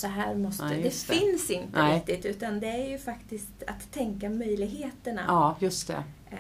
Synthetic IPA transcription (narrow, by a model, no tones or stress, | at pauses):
sɔɦæːɾmɔst̪əd̪ɛfɪnsɪnt̪əɪk̚t̪ɪt̪ʉ̟ːt̪and̪ɛæɾjɵfakt̪ɪst̪a̰t̪ʰːɛŋkamœjlɪɡɦeːt̪əɳa̰jɵst̪ɛ̰